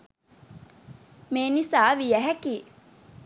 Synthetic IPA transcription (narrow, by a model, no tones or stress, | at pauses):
meːnisaːʋijæɦækiː